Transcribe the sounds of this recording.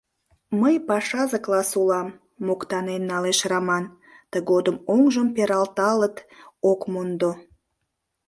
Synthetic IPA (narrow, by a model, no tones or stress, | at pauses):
məjpɑʃɑzəklɑsulɑmː | okt̪ɑnenːɑleʃrɑmɑn | t̪əɣod̪əmoŋʒəmpeɾɑlt̪ɑlət̪okmond̪o